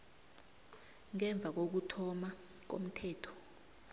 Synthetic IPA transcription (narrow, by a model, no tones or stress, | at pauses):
ŋɛɱb̪vʱak̬ok̬utʰɔma | k̬o̰m̩tʰɛːtʰɔ̥